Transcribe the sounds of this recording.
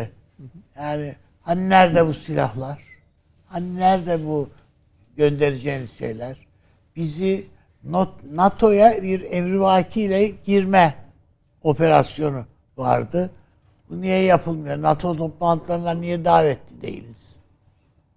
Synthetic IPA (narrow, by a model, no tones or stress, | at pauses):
jaːni | haninæɾd̪ɛbusilʲa̰hlˠaɾ̥ | haninæɾd̪ɛbu | ɟø̞nd̪e̞ɾed͡ʒejnizʃḛjlʲæɾ̥ | b̥izi | nonat̪ʰo̞jabiɾɛmɾivaːcʰilʲɛɟiɾmɛ | o̞pʰe̞ɾa̰sjo̞nu | va̰ɾd̪ɯ | bunijɛjapʰɯlˠmajoɾnat̪ʰo̞t̪ʰo̞plˠant̪ʰɯlˠaɾnˠaɾnijɛd̪aːvɛt̪ʰːid̪ḛjḭlʲiz̥